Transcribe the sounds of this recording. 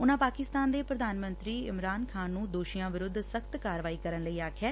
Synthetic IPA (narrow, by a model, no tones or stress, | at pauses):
ʊnãːpaːkɪst̪aːnd̪eːpɾəd̪ʱaːnmə̃nt̪ɾiːɪmɾaːnkʰaːnːũːd̪oːʃijãːʋɪɾʊd̪ʱːsəkt̪kaːɾʋaːiːkəɾənləiːaːkʰɛː